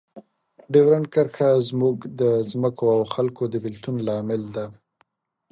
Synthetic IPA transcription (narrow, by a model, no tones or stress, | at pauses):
ɖewɾaɳkaɾxazmuɡd̪əzməkoawxalkod̪əbɪlt̪unlɑmɪld̪a